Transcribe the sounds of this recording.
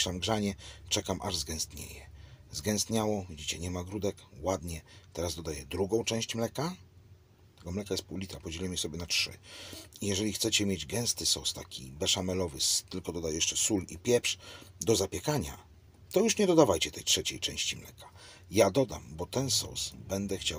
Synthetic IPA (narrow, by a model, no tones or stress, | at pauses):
ʂamɡʐaɲɛt͡ʂɛkamʔa̰ʐzɡɛ̃st̪ɲḛjɛzɡɛ̃w̃st̪ɲawɔvʲid͡ʑit͡ɕɛɲɛmaɡɾud̪ɛkwad̪ɲɛt̪ɛɾazd̪ɔd̪ajɛd̪ɾuɡɔ̃w̃t͡ʂɛ̃w̃ɕt͡ɕmlɛka | t̪ɛɡɔmlɛkajɛst̪pɔwlʲit̪apɔd͡ʑɛlɛmʲisɔbʲjɛnatʂɘ̰ijɛʐɛlʲixt̪sɛt͡ɕɛmʲjed͡ʑɡɛ̃ñst̪ɘsɔ̰wst̪akʲʰḭbɛʂamɛlɔvɘst̪ɘlkɔd̪ɔd̪ajɛʂt͡ʂɛsulḭpʲjɛpʂd̪ɔzapʲjɛkaɲa̰ | t̪ɔjuʂɲɛd̪ɔd̪avajt͡ɕɛt̪ɛjtʂɛt͡ɕejt͡ʂɛ̃w̃ɕt͡ɕimlɛkʰḁ | jad̪ɔd̪a̰mbɔt̪ɛnsɔ̰wsbɛnd̪ɛxt͡ɕaw